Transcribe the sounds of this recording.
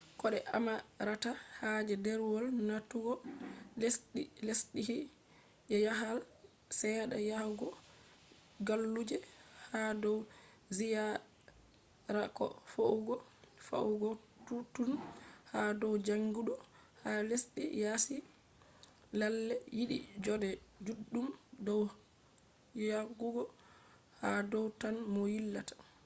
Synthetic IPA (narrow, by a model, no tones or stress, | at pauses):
kɔɗɛʔa̰maɾatahad͡ʒɛdɛɾwɔlnatːuɡɔlsɗilesɗihi | ɛjaɦal | sɛɗajahɡɔ | ɡalːud͡ʒɛhadɔw | zija | ɾakɔ̰fouɡɔfa̰uɡɔ | tutunhadɔwd͡ʒaŋɡuɗɔ | halesɗɛ̰jasi | lalːɛjiɗḭd͡ʒɔdɛd͡ʒudːumdɔw | jaɡuɡɔ | hadɔwtanmɔjilːatḁ